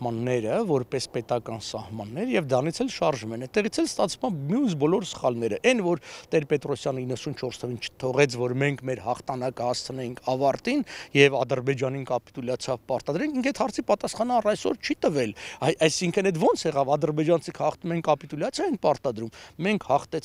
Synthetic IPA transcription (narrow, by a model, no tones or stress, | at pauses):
mɑnːɛɾəvɔɾpɛspɛt̪ɑkɑnsɑhmɑnːɛɾəjɛvd̪ɑnit͡sʰɛlʃɑɾʒumɛnɛt̪ːɛʁit͡sʰɛlst̪ɑt͡sʰvumɑmjunsbɔlɔɾsə̥χɑlnɛɾəʔɛnvɔɾt̪ɛɾpɛt̪ɾɔsjɑnəinːəsunt͡ʃʰɔɾst̪ʰəvint͡ʃʰə̥t̪ʰɔʁɛt͡sʰvɔɾmɛŋkʰmɛɾhɑχt̪ʰɑnɑkəhɑst͡sʰənɛjiŋkʰɑvɑɾt̪injɛvɑd̪əɾbɛd͡ʒɑninkɑpi̥t̪uljɑt͡sʰjɑvpɑɾt̪ɑd̪ɾɛŋkʰiŋkʰɛt̪hɑɾt͡sʰipɑt̪ɑsχɑnəɑrɑjsɔ̰ɾt͡ʃʰit̪əvɛlɑjɑjsiŋkʰənɛt̪vɔnt͡sʰjɛʁɑvɑd̪əɾbɛd͡ʒɑnt͡sʰikʰhɑχt̪umɛŋkɑpit̪ulɑt͡sʰjɑjɛŋk̚ʰpɑɾt̪ɑd̪ɾumːɛŋkʰhɑχt̪ɛ